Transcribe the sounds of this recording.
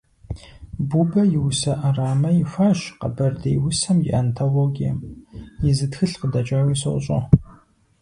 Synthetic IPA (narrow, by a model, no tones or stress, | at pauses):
buːbɐjɪwʊsɐʔɐraːmɐjɪfʷaːʃqɐ̰bɐrdeːjwʊsɐmjɪ̰ʔɐntʰoloɡijɐ̰mjɪzɨtxɨɬqədɐt͡ʃʼaːwiːso̰wɕʼo̰